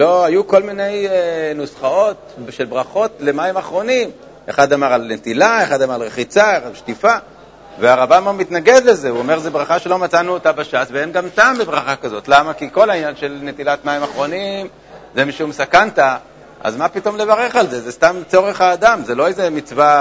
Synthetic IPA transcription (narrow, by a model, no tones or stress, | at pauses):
lo̞ajuko̞lmine̞jenusχao̞t̪ʃe̞lbʁaχo̞tle̞maimaχʁo̞nim | eχad̪amaʁalnet̪ilaeχad̪amaʁalʁeχit͡saeʁalʃtifa | veaʁabammit̪naɡe̞d̪le̞zeuome̞ʁzebʁaχaʃe̞lo̞mat͡sanuotabaʃasveenɡamt̪ambebʁaχakazo̞t̪lamakiko̞lainjanʃe̞lne̞t̪ilat̪maimaχʁo̞nim | zemiʃumsakant̪a | ʔa̰zmapit̪o̞mle̞vaʁe̞χalzezest̪amt͡so̞ʁe̞χaːd̪amzelo̞ejzemit͡sva